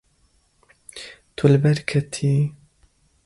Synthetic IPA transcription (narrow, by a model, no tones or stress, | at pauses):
t̪ʰʊlbɐɾkʰɐt̪ʰi